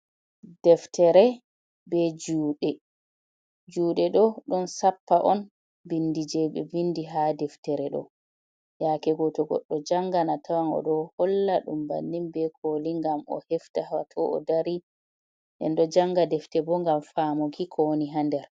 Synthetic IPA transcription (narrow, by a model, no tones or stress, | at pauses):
dɛftɛɾɛ | bɛd͡ʒuːɗɛ | d͡ʒuːɗɛɗɔɗɔnsapːaʔɔn | bindid͡ʒɛbɛbinːdiɦadɛftɛɾɛɗɔ̰ | jakɛɡɔtɔɡɔ̰ɗːɔd͡ʒaŋɡanatawanɔ̰ɗɔhɔlːaɗumba̰nːimbɛkʰoliŋɡamʔɔ̰hɛftahatʰɔɔ̰daɾi | ʔɛ̰nɗɔd͡ʒaŋɡadɛftɛbɔŋɡamfaːmokikʰɔwoniɦandɛɾ